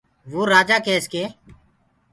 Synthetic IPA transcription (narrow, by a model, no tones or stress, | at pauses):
ʋoːɾaːd͡ʒaːkeːskeː